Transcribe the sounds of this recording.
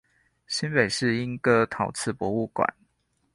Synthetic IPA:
ɕi˦npe˨˩ɪʂɻ̩˥˨i˦nkɤ˦t̪ʰɑ˨˥ʊt͡sʰɹ̩˥˩pwɔ˧˦u˥˩kwa̰˨˩˦n

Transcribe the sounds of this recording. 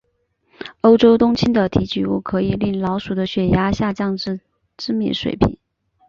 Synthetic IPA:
o˥ʊʈ͡ʂo˥ʊt̪ʊ˥ŋt͡ɕʰi˥nd̪ə˨t̪ʰi˧˥t͡ɕy˨˧˥u˥˩kʰɤ˧˥i˨˩li˥˩nlɑ˧˥ʊʂu˨˩d̪ə˦ɕɥɛ˨˩ja˥ɕja˥˧t͡ɕjɑ˥˧ŋʈ͡ʂ̩˥˧ | ʈ͡ʂɻ̩˥mḭ˥˩nʂwḛ˨˩ɪpʰḭ˨˩˦n

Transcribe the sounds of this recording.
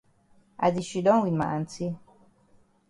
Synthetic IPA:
a̰˨d̪iʃi˨d̪ɔ˦nwinma̰˨ʔa˨nt͡si˦

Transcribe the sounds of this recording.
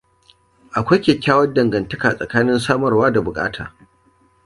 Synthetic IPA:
ʔa˨kʷa˦jkʲeː˨kʲːaː˦wɐ˦ndɐ˨ŋɡɐ˨ntɐ˦kaː˨sʼɐ̰˨kaː˦nɪ˦nsaː˦mɐ˨rwaː˦da˨bʊ˨kʼa̰ː˦tʰaː˨

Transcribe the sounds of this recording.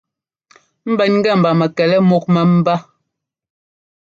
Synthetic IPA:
m̩˦bɛ˦nŋ˦ɡɛ˦˨m̩˨ba˨mɛ˨kɛ˨lɛ˦mo˦k̚mɛ˨m̩˦ba˦

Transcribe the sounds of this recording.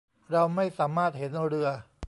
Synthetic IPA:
ɾa˧wma˥˩jsaː˩˦maː˥˩t̪̚he˩˦n˧ɾɯ˧ɐ

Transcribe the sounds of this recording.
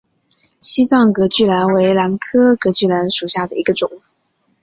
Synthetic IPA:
ɕi˥t͡sɑ˥˩ŋkɤ˧˥t͡ɕy˥˩la˧˥nwe˧˥ɪla˧˥nkʰɤ˥kɤ˧˥t͡ɕy˥˩la˧˥nʂu˨˩ɕja˥˩d̪ə˩i˧˥ɡə˧ʈ͡ʂʊ˨˩˦ŋ

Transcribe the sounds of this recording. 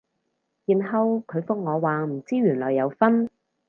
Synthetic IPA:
jiː˨˩nɦɐ˧wkʰɵ˨˧ɥfʊ˥k̚ŋɔː˨˧waː˨m̩˨˩t͡siː˥ɥyː˨˩nlɔ̰ː˨jːɐ˨˧wfɐ˥n

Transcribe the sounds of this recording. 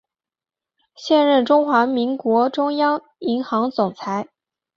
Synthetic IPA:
ɕjɛ˥˧nɻə˥˩nʈ͡ʂʊ˥ŋxwa˧˥mi˧˥ŋkwɔ˧˥ʈ͡ʂʊ˥ŋjɑ˥ŋ | i˧˥ŋxɑ˧˥ŋt͡sʊ˨˩ŋt͡sʰa˧˥ɪ

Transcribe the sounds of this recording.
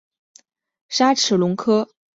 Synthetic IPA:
ʂa˥ʈ͡ʂʰɻ̩˨˥˩lʊ˧˥ŋkʰɤ˥

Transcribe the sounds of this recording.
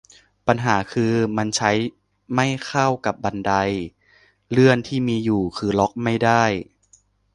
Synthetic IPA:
pa˧nɦaː˩˦kʰɯː˧ma˧nt͡ɕʰa˦˥j | ma˥˩jkʰa˥˩wka˨˩p̚ba˧nda˧j | lɯ˥˩ənt̪ʰiː˥˩miː˧juː˨˩kʰɯː˧lɔ˦˥k̚ma˥˩jda˥˩j

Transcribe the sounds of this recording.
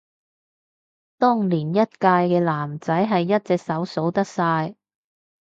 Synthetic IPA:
t̪ʊ˥ŋliː˨˩njɐ˥t̚kaː˧jkɛː˧laː˨˩mt͡sɐ˨˥jɦɐ˨jːɐ˥t̚t͡sɛː˨k̚sɐ˨˥wso˨˥wt̪ɐ˥k̚saː˧j

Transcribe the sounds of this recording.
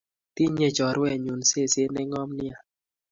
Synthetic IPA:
ti˦ɲe˦d͡ʒɔ˨ɾwɛ˦˨ɲu˨n˨se˦˨se˦nɛ˦ŋɔ˦mni˦a˨

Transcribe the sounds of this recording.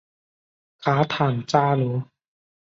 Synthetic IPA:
kʰaː˦˥t̪ʰaː˨˩ŋt͡ɕaː˥˩luː˨˦˥

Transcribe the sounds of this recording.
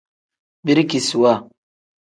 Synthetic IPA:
bi˦ɾki˨su˨wa˦˨

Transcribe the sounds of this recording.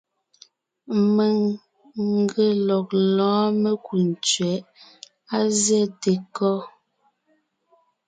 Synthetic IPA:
me˨ŋ | ŋ̩˦ɡə˨lɔ˨k̚lɔ̃ː˨˦me˦ku˨n˨t͡ʃɥɛ˨˦ʔ | a˦zjɛ˦˨te˨kɔ˦

